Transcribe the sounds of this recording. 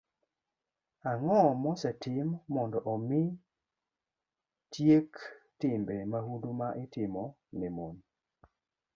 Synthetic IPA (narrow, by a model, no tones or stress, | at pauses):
aŋɔmɔsɛtɪmːɔndɔʔɔmɪ | tjektɪmbemahudumaʔɪtɪmɔ | nɛmon